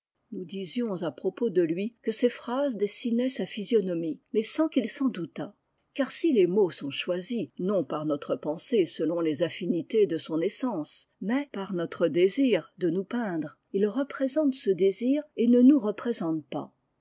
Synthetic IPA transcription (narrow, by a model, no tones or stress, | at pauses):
nud̪izjɔ̃zapχɔpod̪əlɥikəsefχazd̪esinɛsafizjɔnɔmimɛsɑ̃kilsɑ̃d̪ut̪a | kaʁsilemosɔ̃ʃwazinɔ̃paʁnɔt̪χəpɑ̃sesəlɔ̃lezafinit̪ed̪əsɔ̃nesɑ̃smɛpaʁnɔt̪χəd̪eziːʁd̪ənupɛ̃d̪ʁ | ilʁəpχezɑ̃t̪səd̪eziːʁenənuʁəpχezɑ̃t̪pa